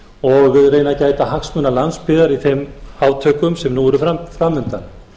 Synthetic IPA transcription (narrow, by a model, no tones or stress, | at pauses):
ɔɣreːjnacaːjt̪ahaksmœnalanspɪðaɾiθejmhaːwt̪ʰœːkʏmsɛmnuɛɾʏfafɾamːʏnt̪an